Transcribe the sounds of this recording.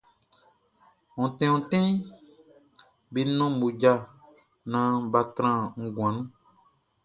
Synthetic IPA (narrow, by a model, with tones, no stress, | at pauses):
ɔ̃˨tɛ̃˦ɔ̃˨tɛ̃˦ | bi˦nɔ̃˦m˨bu˨d͡ʒa˧˨ | nã˨˦ba˧tɾã˦˨ŋ̩˦ɡw̃ã˨nũ˦